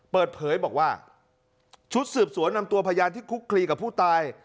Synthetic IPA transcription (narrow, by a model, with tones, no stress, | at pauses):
pɤː˨˩t̪̚pʰɤː˩˦jbɔː˨˩k̚waː˥˩ | t͡ɕʰu˦˥t̪̚sɯː˨˩p̚su˩˦ənːa˧mt̪u˧ɐpʰaː˧jaː˧nt̪ʰiː˥˩kʰu˦˥kʰːliː˧ka˨˩pʰːuː˥˩t̪aː˧j